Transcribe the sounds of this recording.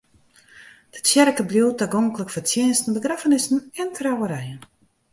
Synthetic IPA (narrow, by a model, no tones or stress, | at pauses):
d̥əsjɛrkəbljuwtaɡoŋkləkfərt͡sjɛnstn̩bəɡrafənɪsn̩ɛntʰrawəɾɛjən